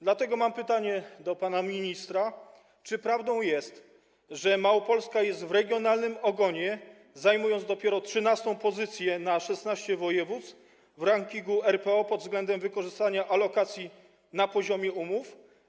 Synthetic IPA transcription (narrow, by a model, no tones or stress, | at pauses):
d̪lat̪ɛɡɔmampɘt̪aɲɛd̪ɔpanamʲiɲist̪ɾa | t͡ʂɘpɾavd̪ɔ̃w̃jɛst̪ | ʐɛmawɔpɔlskajɛst̪vɾɛɡʲjɔnalnɘmɔɡɔɲɛ | zajmujɔnzd̪ɔpʲjɛɾɔtʂɘnast̪ɔ̃w̃pɔzɘt̪sʲjɛnaʂɛsnaɕt͡ɕɛvɔjɛvut̪s | vɾaŋkʲiŋɡuɛɾpɛɔpɔd̪vzɡlɛnd̪ɛmvɘkɔʐɘst̪aɲaʔalɔkat̪sʲji | napɔʑɔmʲjɛumuf